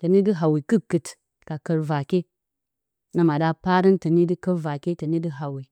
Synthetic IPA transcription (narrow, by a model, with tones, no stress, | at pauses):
tə˨ni˦di˦ɦa˨wi˨kɨ˦kːɨ˨t | ka˨kə˨ɾva˨ke˦ | na˨ma˨da˦pa˦ɾi˦ntə˨ni˦di˦kə˦ɾva˨ke˦tə˨ni˦di˦ɦa˨wi˨